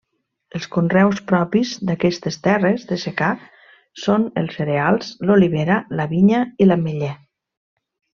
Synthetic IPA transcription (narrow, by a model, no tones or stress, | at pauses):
əlˠskunrɛwspɾɔpizd̪akɛst̪est̪ɛrezðəseka | sonə̰lˠseɾealˠz̥loliβ̞eɾəlaβiɲəilameʎɛ